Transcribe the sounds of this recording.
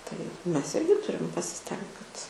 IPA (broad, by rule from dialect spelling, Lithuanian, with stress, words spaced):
tɐɪ ˈmʲɛs ˈɪrʲɡʲɪ ˈtʊrʲɪm pɐsʲɪˈsʲtʲɛŋkt kɐt